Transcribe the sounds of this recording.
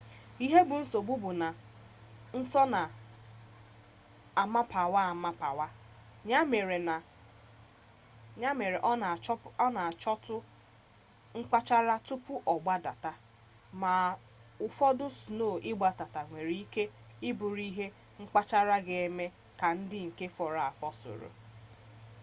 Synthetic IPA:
i˦ɦe˦bʊ˨n̩˦so˨bu˦bʊ˨na˨ | n̩˦sɔ˦na˨ | a˨ma˦pa˨wa˦a˨ma˦pa˨wa˦ | ɲa˦me˨ɾe˨na˨ | ɲa˦me˨ɾe˨ʔɔ˦na˨t͡ʃɔ˦ɔ˦na˨t͡ʃɔ˦tʊ˦ | ŋ͡m̩˦k͡pa˦t͡ʃa˦ɾa˦tʊ˦pʊ˦ʔɔ˨ɡ͡ba˦da˨ta˦ | ma˨ | ʊ˨fɔ˦dʊ˦su˨no˦˨ʔɪ˦ɡ͡ba˨ta˨ta˨ŋʷe˨ɾi˦i˦ke˦ | ɪ˦bʊ˨ɾi˦ɦe˦ | ŋ͡m̩˦k͡pa˦t͡ʃa˦ɾa˦ɡe˦e˦me˦ | ka˨n̩˦dɪ˦ŋ̩˨ke˦fɔ˨ɾa˨a˨fɔ˦so̰˨ɾo̰˨

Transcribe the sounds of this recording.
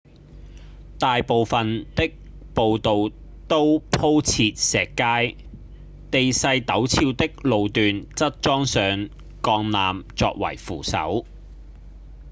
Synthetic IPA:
t̪aː˨jpo˨wfɐ˨nt̪ɪ˥k̚ | po˨wt̪o˨w | t̪o˥wpʰo˥wt͡sʰiː˧t̚sɛː˨˩kːaː˥j | t̪e˨jsɐ˧jt̪ɐ˨˥wt͡sʰiː˧wt̪ɪ˥k̚lo˨wt̪yː˨nt͡sɐ˥t̚t͡ʃɔː˥ŋsœː˨˧ŋ | kɔː˧ŋnaː˨mt͡sɔː˧k̚wɐ̰˨˩jfṵː˨˩sɐ̰˨˥w

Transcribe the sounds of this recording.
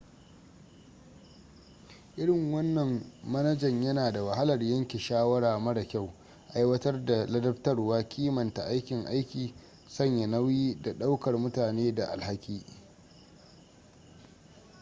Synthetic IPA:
ʔɪ˦ɽɪ˨ŋwɐ˦nːɐ˨mmɐ˦nɐ˦d͡ʒɐ˨ɲjɐ˦naː˨da˨wɐ˨ha˦lɐ˨rjɐ˦ŋkʲe˨ʃaː˦wɐ˦ɽaː˨mɐ˦ɽa˨kʲa˦˨w | ʔa˦jwɐ˦tɐ˦rda˨lɐ˦dɐ˦ptɐ˦rwaː˦kʲʰiː˦mɐ˨nta˨ʔa˦jkʲɪ˨ŋʔa˦jkʲiː˨ | sɐ˦ɲja˨nɐ˦wiː˦da˨ɗa˦wkɐ˨rmʊ˦taː˨neː˦da˨ʔa̰˨lha˦kʲiː˦

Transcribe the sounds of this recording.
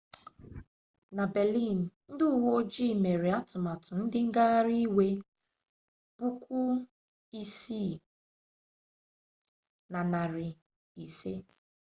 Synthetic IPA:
na˨bɛ˨li˦˨n̩˨n̩˦dʊ˦ʊ˨wo˦o˦d͡ʒi˦˨me˨ɾe˨a˦tʊ˨ma˨tʊ˨n̩˦dɪ˦ŋ̩˦ɡa˦ɣa˦ɾi˦we˦ | b̥ʊ˦kʷʊ˦ | i˦si˦˨ | na˨na˨ɾɪ˨ | i˨se˦

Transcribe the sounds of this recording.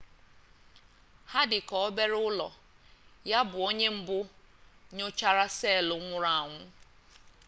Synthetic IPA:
ha˦dɪ˨kɔ˨ɔ˦be˦ɾʊ˦lɔ˨ | ja˦bʊ˨o˦ɲe˦m̩˦bʊ˦ | ɲʊ˦t͡ʃa˦ɾa˦seː˦˨lʊ˨ŋʷʊ˦ɾa˨ŋʷʊ˦

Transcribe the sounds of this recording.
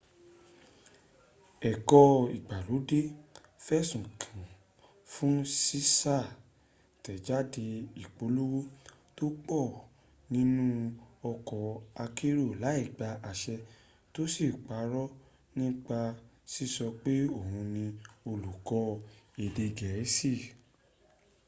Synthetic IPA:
ɛ˨kɔ˧i˨ɡ͡ba˨lu˨˦de˦ | fɛ˦˨sũ˨kʰã˨ | fũ˨˦si˦sa˦˨ | tɛ˨d͡ʒa˦de˧i˨k͡po˨˦lu˦wo˦ | to˦k͡pɔ˦˨ | nĩ˦nũ˦ɔ˧kɔ˨a˧ki˦ɾo˦˨la˨˦i˦˨ɡ͡ba˧ʔa˨ʃɛ˧ | to˦si˦˨k͡pa˨˦ɾɔ˦ | nĩ˦k͡pa˧ | si˦˨sɔ˧k͡pe˦o˦˨hũ˧nĩ˧o˧lu˨kɔ˧˦e˨de˧ɡɛ˨ɛ˨˦si˦˨

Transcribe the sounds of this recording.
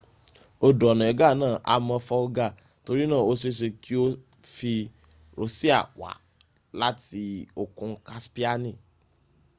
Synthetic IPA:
o˦ɖɔ˨nɔ̃˨e˨ɡa˦˨nã˦ʔa̰˨mɛ̃˨fa˦wo˦ɡa˦˨ | t̪o˨ɾi˦nã˦wo˦se˦se˨ki˦wo˦ | fi˦ | ɾo˨si˦a̰˨wa̰˨ | la˦t̪i˨o˨kɔ̃˦ŋ˦ka˦spi˦a˦nĩ˦˨

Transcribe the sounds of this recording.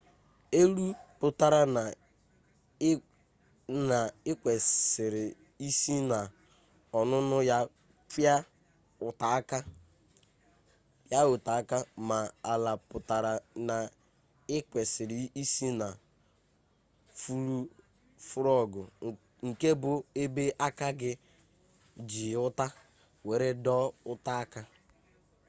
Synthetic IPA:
e˦ɾu˦pʊ˨ta˨ɾa˦na˨ | na˨ɪ˦kʷe˨sɪ˨ɾɪ˨ | i˦si˦na˨ | ɔ˨nʊ˦nʊ˦ja˦ | kja˦ | ʊ˨ta˨˦ka˦ | pja˦ʊ˨ta˨a˦ka˦ma˨a˨la˨pʊ˨ta˨ɾa˨na˨ | ɪ˦kʷe˨sɪ˨ɾi˨i˦si˦na˨ | fu˦ɾu˦ | fʊ˦ɾɔ˦˨ɡʊ˨ | ŋ̩˨ke˦bʊ˨e˦be˦ʔa˦ka˦ɡɪ˦ | d͡ʒi˨ʊ˦ta˦ | we˨ɾe˦dɔ˦ʊ˦ta˦a˦ka˦

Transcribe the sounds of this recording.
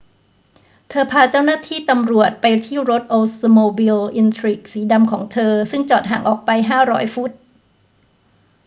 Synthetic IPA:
t̪ʰɤː˧pʰaː˧t͡ɕa˥˩wnaː˥˩t̪ʰiː˥˩t̪a˧mɾu˨˩ət̪̚pa˧jt̪ʰiː˥˩ɾo˦˥t̪̚ʔoː˧moː˧bi˧lʔi˧nt̪ʰɾiː˦˩k̚siː˩˦da˧mkʰɔː˩˦ŋt̪ʰɤː˧sɯ˥˩ŋt͡ɕɔː˨˩t̪̚ɦaː˩˦ŋʔɔː˨˩k̚pa˧jɦaː˥˩ɾɔ̰ː˦˥jfu˦˥t̪̚

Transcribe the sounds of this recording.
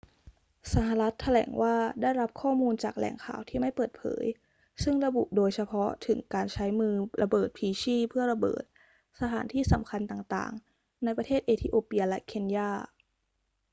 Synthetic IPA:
sa˧ɦa˧ɾa˦˥t̪ʰːa˧lɛ̰ː˨˩˦ŋwaː˥˩daː˥˩jɾa˦˥p̚kʰɔː˥˩muː˧nt͡ɕaː˨˩k̚lɛ̰ː˨˩˦ŋkʰa̰ː˨˩wt̪ʰiː˥˩ma˥˩jpɤː˨˩t̪̚pʰɤ̰ː˩˦j | sɯ˥˩ŋɾa˧bu˨˩ʔdoː˧jsa˧pʰɔ˦˥t̪ʰɯ˩˦ŋkaː˧nt͡ɕʰa˦˥jmɯː˧ɾʔa˧bɤː˨˩t̪̚pʰiː˧ɕiː˥˩pʰɯ˥˩ɐɾa˧bɤ̰ː˨˩t̪̚ | sa˧t̪ʰa̰ː˩˦nt̪ʰiː˥˩sa˩˦mkʰa˧nt̪aː˨˩ŋt̪a̰ː˨˩ŋ | na˧jpɾa˧t̪ʰeː˥˩t̪̚ʔeː˧t̪ʰiː˧˩ʔoː˧pi˧a˧lɛ˦˥kʰe˧n˧jaː˥˩

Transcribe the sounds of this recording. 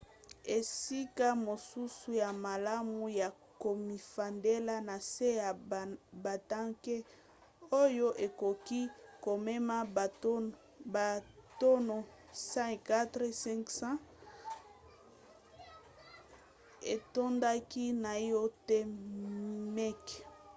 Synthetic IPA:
e˨si˦ka˦mo˨su˦su˦ja˨ma˨la˦mu˦ja˨ | ko˨mi˨fa˨nde˦la˦na˨se˦ja˨ba˨ta˦ŋke˦ | o˦jo˦ʔe˨ko˨ki˦ko˨me˦ma˦˨˦ | ba˨to˦no˨ | sã˦ka˦tʁe˦sɛ̃˦ŋksã˦ | e˨to˦nda˦ki˦na˨jo˦te˦ | mɛ˦k

